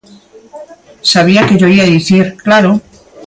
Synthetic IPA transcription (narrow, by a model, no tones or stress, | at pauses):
saβ̞iake̞ʝo̞iaðiθiɾklaɾo